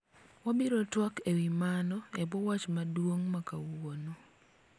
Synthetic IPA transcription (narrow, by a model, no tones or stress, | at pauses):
wabiɾotwɔkewimanɔebɔwat͡ʃmadwoŋmaka̰wonu